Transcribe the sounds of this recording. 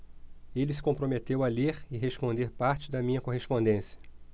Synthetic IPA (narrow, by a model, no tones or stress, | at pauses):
elɪs̬ɪ̥kõpɾomet̪ewɐleɾɪɦeʃpõnd̪eɾpaɾt͡ʃɪd̪ɐmĩɲɐkoɦespõnd̪ẽsiɐ̥